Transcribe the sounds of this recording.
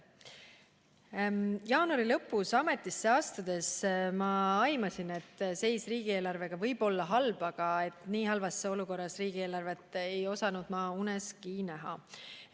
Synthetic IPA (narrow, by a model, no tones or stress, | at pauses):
jɑːnuɑɾilɤ̞pːˑusɑme̞t̪ːˑisːe̞ɑːst̪ɑd̪̥e̞smɑɑjmɑsine̞t̪ːse̞jsriːɡ̥ie̞ːlɑrve̞ɡ̥ɑvɤ̞jb̥o̞lːɑɦɑlb̥ɑɡ̥ɑe̞t̪niːɦɑlvɑsːeo̞luko̞rːɑsriːɡ̥ie̞ːlɑrve̞t̪ːˑejo̞sɑnud̪̥mɑːunɛskinæɦɑ̰